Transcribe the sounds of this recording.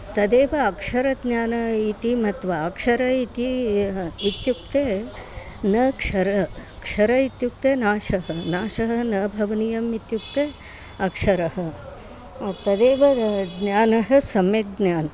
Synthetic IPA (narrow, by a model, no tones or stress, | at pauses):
t̪ɐd̪eːʋɐːkʂɐɾɐd̪nʲaːnɐit̪imɐt̪ʋɐːkʂɐɾɐit̪i | it̪jukt̪eː | nɐkʂɐɾɐkʂɐɾɐit̪juk̚t̪eːnaːʂɐɦɐnaːʂɐɦɐ̆nɐbʱɐʋɐnijɐmit̪juk̚t̪eː | ɐkʂɐɾɐɦɐ̆ | t̪ɐd̪eːʋɐd̪naːnɐɦɐ̆sɐmjeɡ̪njaːnɐ